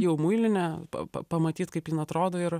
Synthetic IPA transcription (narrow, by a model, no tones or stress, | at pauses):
jɛʊmuɪlʲɪnʲɛpɐ̰pɐ̰pɐmɐt̪ʲiːt̪kɐɪpjɪnɐt̪ɾoːd̪oːɪɾ